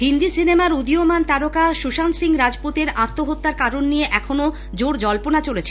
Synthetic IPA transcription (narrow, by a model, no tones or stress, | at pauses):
ɦind̪isinemaɾud̪iomant̪aɾokaʃuʃansiŋɾad͡ʑpot̪eɾat̪ːoɦot̪ːaɾkaɾonːijeʔɛkʰono | d͡ʑoɾd͡ʑɔlponat͡ɕolet͡ɕʰe̥